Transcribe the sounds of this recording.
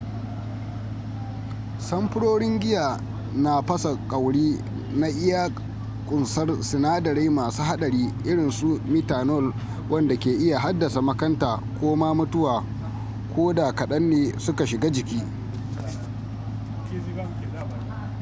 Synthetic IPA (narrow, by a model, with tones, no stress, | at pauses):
sɐ˦mpʊ˦ɽoː˦ɽɪ˦ŋɡʲɪ˦jaː˨ | na˨ɸɐ˦sa˨kʼɐ˨wɽiː˦ | na˦ʔɪ˦ja˦ | kʷʼʊ˨nsɐ˦rsɪ˨naː˦dɐ˨ɾe˦maː˨suː˦ha˦ɗɐ˨ɾiː˦ʔɪ˦ɽɪ˨nsu˦mɪ˦taː˨nɔ˦˨l | wɐ˦nda˨kʲeː˨ʔɪ˦ja˨ɦa˦dːɐ˨sa˨mɐ˦kɐ˦ntaː˨kʷoː˦maː˦mʊ˦tʊ˦waː˨ | kʷʰoː˦da˨kɐ˨ɗɐ˦nːeː˨sʊ˦ka˨ʃɪ˨ɡaː˦d͡ʒɪ˨kʲiː˦